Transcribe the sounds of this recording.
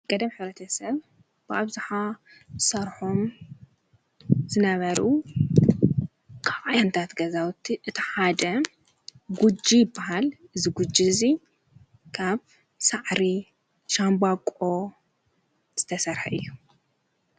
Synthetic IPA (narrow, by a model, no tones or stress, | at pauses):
kʼɐd̪ɐmħɨβɾɐt̪ʰɐsɐβ | b̥ɨʔaβzɨħa | zɨsɐɾħom | zɨnɐβɐɾʔu | kʰaβʔajant̪ʰat̪ɡɐzawt̪ʰːiʔɨt̪ʰiħad̪ɐ | ɡud͡ʒijɪbːaɦalʔɨziɡud͡ʒizi | kʰaβ | saʕɾi | ʃambakʼo̞ | z̥ɨt̪ʰɐsɐɾħɐʔɨjːu